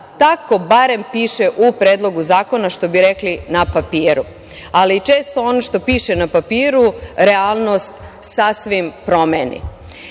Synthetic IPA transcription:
t̪ako̞baɾe̞mpiːʃeʔupɾeːd̪lˠo̞ɡuzaːko̞naʃt̪o̞biɾeklinapapiːɾu | aliːt͡ʃeːst̪o̞onoʃt̪o̞piːʃenapapiːɾuɾealˠno̞st̪ | sasʋimpɾo̞menḭ

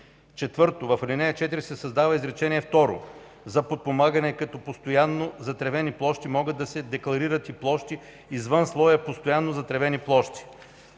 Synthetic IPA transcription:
t͡ʃɛt̪vɤɾt̪ovɐflinɛɐt͡ʃɛt̪iɾisɛsɐzd̪avɐizɾɛt͡ʃɛniɛft̪ɔɾo̰ | zɐpot̪̚pomaɡɐnɛkɐt̪ɔpost̪ojanːozɐt̪ɾɛvɛniplˠɔʃt̪imɔɡəd̪ːɐsɛd̪ɛklˠɐɾiɾət̪iplˠɔʃt̪iː | zvɤnslˠɔjɐpost̪ojanːozɐt̪ɾɛvɛniplˠɔʃt̪i̥

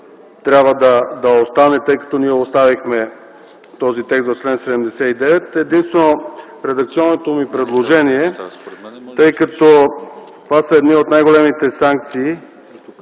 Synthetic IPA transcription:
t̪ɾʲabvəd̪ɐd̪ɐost̪anɛt̪ɤjkɐ̥t̪ɔniɛost̪avixmɛ | t̪ɔzit̪ɛksvot͡ʃlɛnt̪sɛd̪ɛmd̪ɛsɛid̪ɛvɛt̪ɛd̪inst̪vɛno | ɾɛd̪ɐk̚t̪siɔnːot̪omipɾɛd̪lˠoʒɛniɛ | t̪ɤjkɐt̪ɔ | t̪vasəɛd̪niot̪najɡolɛmit̪ɛsaŋk̚t̪siː

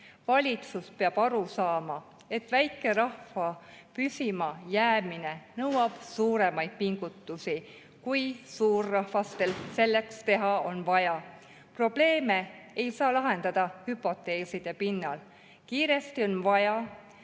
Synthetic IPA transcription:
vɑlʲit̪suspe̞ɑb̥ɑɾusɑːmɑ | e̞t̪væjkːˑe̞ɾɑhfɑpysʲimɑjæːmine̞nɤwɑb̥suːɾe̞mɑjd̪̥̚piŋɡ̥ut̪ːˑusi | kujsuːrːɑhvɑst̪e̞lse̞lːe̞kst̪e̞ɦɑo̞nvɑjɑ | pro̞b̥le̞ːme̞ejsɑːlɑɦe̞nd̪̥ɑd̪̥ɑhypːo̞t̪ːˑe̞ːsid̪̥epinːɑl | kiːɾe̞st̪io̞nvɑjɑ

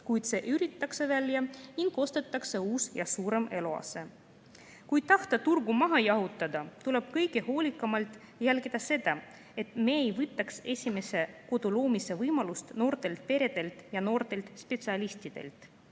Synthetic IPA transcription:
kujt̪se̞ʔyɾit̪ːˑɑkse̞vælʲjɑniŋɡo̞st̪et̪ːˑɑkse̞uːsjɑsuːɾe̞me̞loɑ̰se̞ | kujt̪ɑht̪ɑt̪urɡumɑɦɑjɑɦut̪ːˑɑd̪ɑt̪ule̞b̥kɤjɡ̥e̞ho̞ːlʲikːˑɑmɑlt̪ˑ | jælɡid̪̥ɑse̞d̪̥ɑ | e̞t̪ˑme̞ejvɯt̪ːˑɑkse̞sʲime̞se̞ko̞d̪̥ulo̞ːmise̞vɤjmɑlust̪no̞ːrt̪e̞lt̪̚pe̞ɾe̞d̪̥e̞lt̪jɑno̞ːrt̪e̞lt̪spe̞t̪siɑlʲisʲt̪id̪̥e̞̰lt̪ˑ

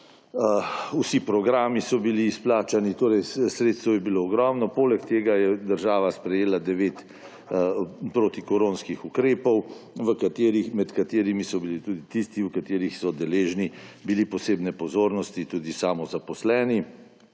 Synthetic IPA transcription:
usipɾɔɡɾaːmisɔbiliːsplaːt͡ʃanit̪oːɾɛjsɾeːt̪st̪ʋɔjɛbiloːɡɾɔːmnɔpoːlɛkt̪eːɡajɛd̪əɾʒaːʋaspɾɛjeːlad̪ɛʋeːt̪ | pɾot̪ikɔɾoːnskixukɾeːpɔwʋəkat̪eːɾixmɛt̪kat̪eːɾimisɔbilit̪uːd̪it̪ist̪iwkat̪eːɾixsɔd̪ɛleːʒnibilipɔseːbnɛpɔzoːɾnɔst̪it̪uːd̪isaːmɔzapɔslɛːni

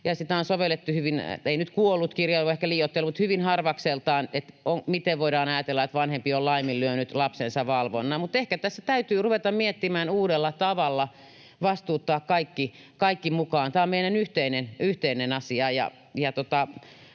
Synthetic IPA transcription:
jɑsit̪æonsoʋelːˑet̪ːuhyʋin̰einyt̪kuolːut̪kirjɑioehkæliːjot̪ːelːumut̪hyʋinhɑrʋɑkselt̪ɑːnet̪oŋmit̪eʋʋoiɾɑːnɑjɑt̪elːɑet̪ʋɑnhempiollɑimillyønyt̪lɑpsensɑʋɑlʋo̰nːɑmut̪ehkæt̪æsːæt̪æyt̪yːruʋet̪ɑmmiet̪ːimæːnuːdelːɑt̪ɑʋɑlːɑ | ʋɑst̪uːt̪ːɑːkkɑikːi | kɑikːimukɑːnt̪æːommeinænyht̪einenyht̪einenɑsiɑjɑ̰ | jɑt̪ot̪ɑ

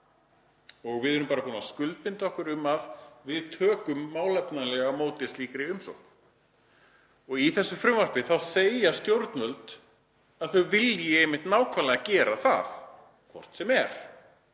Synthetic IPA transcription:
ɔɣvɪðɛɾʏmpaːɾapuːnaskʏlt̪̚pɪnt̪ɔhkʏɾʏmaðvɪðt̪ʰœːkʏmːaːwlɛpnalɛɣamowt̪ɪsliːkɾɪʏmsɔ̰wkn | ɔɣiθɛsːʏfɾʏmvaɾ̥pɪθaðsejast̪jowɾt̪nœlt̪ | aðθœɥvɪljɛejmɪht̪naːwkʰvalaɣacɛːɾaθa̰θ | kʰvɔ̰r̥t̪sɛmɛɾ̥

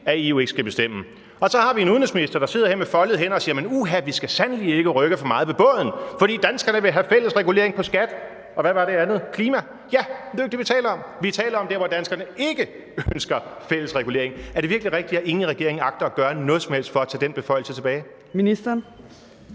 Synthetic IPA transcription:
æiue̝ɡ̥ə̥sɡ̥æb̥e̝sd̥em̰ə | ɒ̽sɒ̽hɑ̈ʋie̝nuðˠn̩esminisd̥ɐd̥ɑ̈se̝ð̞̰ˠɐheɐ̰mefɒ̽lð̩ˠɦen̰ɒ̽siːɐmenuɦæʋisɡ̥æsænlie̝ɡ̥əʁœɡ̥əfɒ̽mɑ̈ːð̞̩ˠʋeb̥ɔ̰ːð̰ˠn̩fɒd̥ḭːd̥ænsɡ̥ɐnəʋe̝ɦæfel̰əsʁɛɡule̝̰ɐe̝ŋpʰɒ̽sɡ̥æd̥ | ɒ̽ʋæʋɑ̈ɾe̝ænð̞̩ˠkʰliːmæ | jæde̝ɡ̥̚d̥eʋit͡sʰɛ̰ːlɐɒ̽mʋit͡sʰɛ̰ːlɐɒ̽mdeɐʋɒd̥ænsɡ̥ɐnəe̝ɡ̥ə | ønsɡ̥ɐfel̰əsʁɛɡ̥ule̝̰ɐ̰e̝ŋæɐd̥e̝ʋiɐɡ̥liʁɛɡ̥̚d̥id̥æʔe̝ŋn̩ʁɛɡ̥e̝̰ɐe̝ŋɑ̈ɡ̥̚d̥ɐɒ̽ɡ̥ɶɐnɔ̽ːð̩ˠsɒ̽mhel̰sd̥fɒ̽æt͡sʰɛ̰ːdenb̥e̝fɒ̽ɪl̩sət͡sʰe̝b̥ɛːɪ | minisd̥ɐn

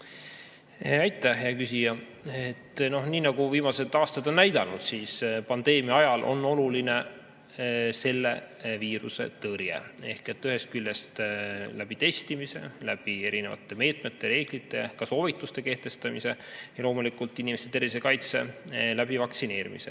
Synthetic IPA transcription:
ɑjt̪ˑːæhjjɑkysʲijɑ | et̪ːno̞hniːnɑɡ̥uviːmɑset̪ːˑɑːst̪ɑd̪̥o̞nːæjd̪ɑnud̪̥siːspɑnd̪̥e̞ːmiɑɑjɑlʔo̞̰nːo̞luline̞ | se̞lːe̞viːɾuse̞̰t̪ɤɾjḛe̞hke̞t̪ːˑyɦe̞st̪̚kylʲːest̪læb̥it̪e̞st̪imise̞̰læb̥ie̞ɾinevɑ̰t̪ːˑe̞me̞ːt̪ˑme̞t̪ːˑe̞ɾe̞ːɡ̥lit̪ːˑe̞kɑso̞ːvit̪ːˑust̪e̞ke̞ht̪e̞st̪ɑmḭse̞jɑlo̞ːmulikˑult̪ːˑinimest̪et̪e̞ɾise̞kɑjt̪se̞læb̥ivɑksine̞ːɾḭmḭsḛ

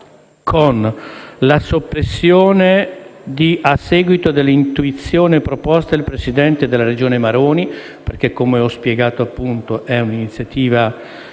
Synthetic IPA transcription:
kʰonlasopːɾesːjoːned̪iʔasːɛːɡwit̪od̪elːint̪uit̪sːjoːnepɾopɔst̪aelpɾesid̪ɛnt̪ed̪elːaɾed͡ʒoːnemaɾoːni | perk̟ekːomeɔspjeɡaːt̪oapːunt̪oʔɛuninit̪sːjat̪iːva

